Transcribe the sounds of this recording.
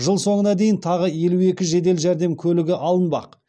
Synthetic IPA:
ʒəlˠso̞ɴənɑd̪e̞jɪnt̪ʰɑʁəje̞lue̞kʲɪʒe̞d̪e̞lʒæɾd̪e̞mkʲʰɵlɪɡʲɪʔɑlˠənbɑ̰q

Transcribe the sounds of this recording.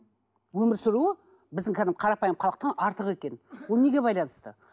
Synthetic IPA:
wɵmɪɾsɪɾuə | bɪzd̪ɪŋkʲʰæd̪ɪmqʰɑɾɑpɑjəmqʰɑlˠəq̚t̪ɑnɑɾt̪əʁe̞kʲe̞nwone̞ɡʲe̞bɑjlˠɑnəst̪ə

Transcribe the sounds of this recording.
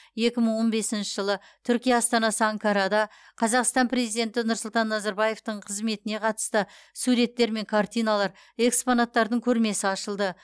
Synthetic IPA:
je̞kʲɪməɴwo̞nbe̞sɪnʃɪʒəlˠə | t̪ʰʏɾkʲijaːst̪ɑnɑsəaŋkaɾad̪ɑ | qʰɑzɑqst̪ɑmpɾe̞zijd̪e̞nt̪ɪnʊɾsʊlˠt̪ɑnːɑzɑɾbɑje̞ft̪əɴqʰəzme̞t̪ɪne̞qʰɑt̪ə̥st̪ə | suɾe̞t̪ːe̞ɾme̞ŋkʰart̪ijnalˠɑɾ | e̞kspo̞nat̪ːɑɾd̪əŋkʲʰɵɾme̞sɪɑʃəlˠd̪ə

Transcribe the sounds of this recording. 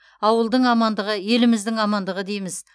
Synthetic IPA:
ɑwəlˠd̪əɴɑmɑnd̪əʁəje̞lɪmɪzd̪ɪŋɑmɑnd̪əʁəd̪ejmɪz

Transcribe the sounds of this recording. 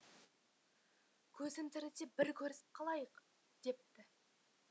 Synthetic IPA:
kʲʰɵzɪmt̪ɪɾɪd̪e̞bɪɾkʲʰɵɾɪsɪ̥p̚qʰɑlˠɑjəq | d̪̥e̞p̚t̪ɪ

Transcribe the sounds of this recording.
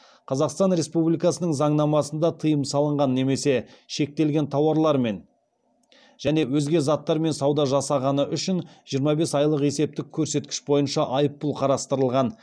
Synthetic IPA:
qʰɑzɑqst̪ɑnɾe̞spublijkɑsənəɴzɑɴnɑmɑsənd̪ɑt̪ʰəjəmsɑlˠəɴʁɑnːe̞me̞se̞ʃe̞k̚t̪e̞lɡʲe̞nt̪ʰɑwɑɾlˠɑɾme̞n | ʒ̥æne̞wɵzɡʲe̞zɑt̪ːɑɾme̞nsɑwd̪ɑʒɑsɑʁɑnəʔʏʃɪnʒ̥ijəɾmɑbe̞sɑjlˠəqe̞se̞p̚t̪ɪkʲʰɵɾse̞t̪̚kʲɪ̥ʃbo̞jənʃɑʔɑjəpːʊlˠqʰɑɾɑst̪əɾəlˠʁɑn

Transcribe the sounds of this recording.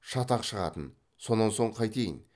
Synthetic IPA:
ʃɑt̪ɑqʃəʁɑ̰t̪ən | so̞nːɑnso̞ɴqʰɑjt̪e̞jɪ̰n

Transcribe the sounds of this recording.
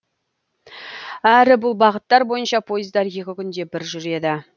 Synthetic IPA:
æɾɪbʊlˠbɑʁət̪ːɑɾbo̞jənʃɑpʰo̞jəzd̪ɑɾje̞kʲɪkʲʏnd̪e̞bɪɾʒʏɾe̞d̪ɪ

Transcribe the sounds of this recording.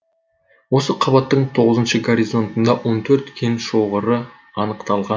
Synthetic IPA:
wo̞səqʰɑbɑt̪ːəɴt̪ʰo̞ʁəzənʃəɡoɾizo̞nt̪ənd̪ɑwo̞nt̪ʰɵɾt̪kʲʰenʃo̞ʁəɾə | ɑnəqt̪ɑlˠʁɑn

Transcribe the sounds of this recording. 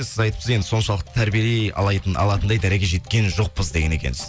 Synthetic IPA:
sɪzɑjt̪ə̥psəzjend̪ɪsʰo̞nʃɑlˠəqt̪ə̥t̪ʰæɾbijelejɑ̰lˠɑjt̪ənʔɑ̰lˠɑt̪ənd̪ɑjd̪æɾe̞kʲe̞ʒe̞t̪kʲe̞nʒo̞q̚pəzd̪e̞ɡʲene̞kʲḛnɪz̥

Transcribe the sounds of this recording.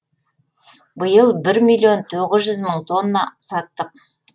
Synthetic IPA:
bəjəlˠbɪɾmilʲˠijo̞nt̪ʰoʁɪzʒʏzməɴt̪ʰo̞nːasɑt̪ːəq

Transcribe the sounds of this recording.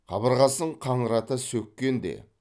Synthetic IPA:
qʰɑ̰bəɾʁɑsəɴqʰɑɴəɾɑt̪əsɵkʲːe̞nd̪ḛ

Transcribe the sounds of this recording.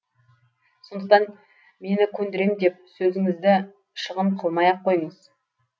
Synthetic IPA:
so̞nd̪əq̚t̪ɑn | me̞nɪkʲʰɵnd̪ɪɾe̞md̪e̞p̚sɵzɪŋɪzd̪ɪ | ʃəʁəmqʰəlˠmɑjɑqʰːo̞jəɴəz̥

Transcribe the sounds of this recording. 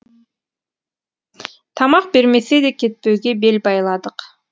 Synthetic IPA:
t̪ʰɑmɑq̚be̞ɾme̞sed̪eke̞t̪̚pøɡebe̞lbɑjlˠɑd̪ɯq

